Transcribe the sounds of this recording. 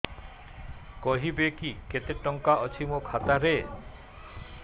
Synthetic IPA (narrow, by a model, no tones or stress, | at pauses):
koɦibekiket̪eʈːɔŋkaʔɔt͡ɕʰimokʰat̪aɾe